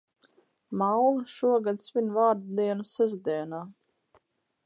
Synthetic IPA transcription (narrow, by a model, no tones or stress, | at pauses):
mawlˠaʃuɔɡad̪svʲinvaːɾd̪d̪iɛnusɛzd̪iɛnaː